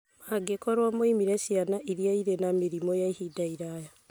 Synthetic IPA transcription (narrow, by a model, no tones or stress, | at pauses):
maɡekɔɾwamoimiɾɛsianaʔiɾiaiɾenameɾimɔjaihidaiɾaja